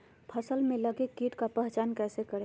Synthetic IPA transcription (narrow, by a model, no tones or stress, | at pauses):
pʰəsəlmeləɡekiʈkapɛɦt͡ʃaːnkɛsekəɾe